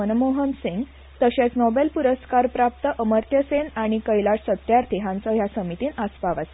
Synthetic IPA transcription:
ənmoɦənsiŋɡ | t̪əɕet͡snɔbelpuɾəskaɾpɾap̚t̪əʔəməɾt̪jəsenaɽ̃ikəjlaʈsət̪jaɾt̪ʰiɦãnt͡səɦjasəmit̪iːnəspaʋas

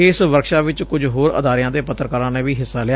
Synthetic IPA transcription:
ɪːsʋəɾkʃaːʋɪt͡ʃkʊd͡ʒɦoːɾə̰d̪aːɾɪjãːd̪eːpət̪ːɾəkəɾãːnẽːʋiːɦɪsːaːlɪaː

